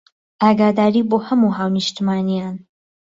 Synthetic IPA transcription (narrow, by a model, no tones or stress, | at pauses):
ʔaːɡaːd̪aːɾiːboːhɐmuɦaːwnɨʃt̪imaːnijaːn